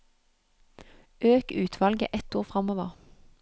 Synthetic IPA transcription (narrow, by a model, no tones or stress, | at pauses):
ʔøːkʉːt̪ʰʋɑlɡə̰ʔɛt̪oːʁfʁɑmoːʋəʁ